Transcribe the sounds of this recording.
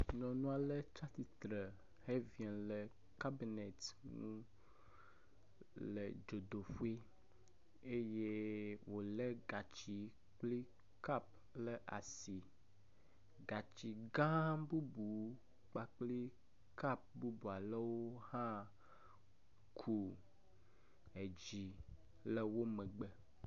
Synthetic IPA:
nɔ̃˨nũ˦a˨lə˦t͡ʃa˦t̪i˨t̪ɾə˨ | he˦vi˨ɛ˨lɛ˨ | ka˦bi˨ne˨t̪ŋṵ̃˦ | lə̰˨d͡ʒo˨d̪o˨ɸu˦e˦ | e˦je˦wo˨le˦ɡa˨t͡ɕi˨ | k͡pli˦ | ka˦p̚ | lə˦ʔa˨si˨ | ɡa˨t͡ɕi˨ɡã˦bu˦bu˨ | k͡pa˨k͡pli˦ | ka˦p̚bu˦bu˨a˨lə˦wo˦hã˦ | kʰu˨ | e˨d͡ʑi˨ | le˦wo˦mə̃˨ɡ͡bə˦

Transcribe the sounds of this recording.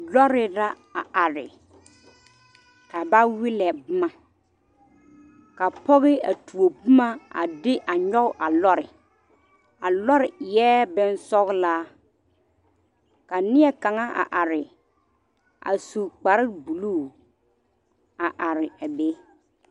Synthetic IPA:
lɔ˦ɾɪ˨la˦ | a˨a˨ɾɪ̰˨ | ka˨ba˦wɪ˦lɛ˨bʊ˦ma˨ | ka˨pɔ˦ɣɪ˦a̰˨tu˨o˨bʊ˦ma˦a̰˨dɪ˦ʔa˨ɲɔ˦ɣʊ˦˨ʔa˨lɔ˦ɾɪ˨ | a˨lɔ˦ɾɪ˨jɛː˦bɛ˦nsɔ˦ɣlaː˦ | ka˨nɪ˦ɛ˦ka˨ŋa˦ʔa̰˨ʔa˨ɾɪ˨ | a̰˨su˨k͡pa˨ɾɪ˦bu˨luː˦˨ | a˨ʔa˨ɾɪ˨a˨be˦

